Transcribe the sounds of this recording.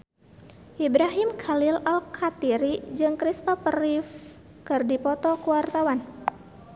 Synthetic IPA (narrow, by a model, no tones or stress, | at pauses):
ʔibɾaɦimkʰalilalkʰat̪iɾid͡ʒɨŋkɾist̪ɔfrif | kɨrdipɔt̪ɔkuwart̪awan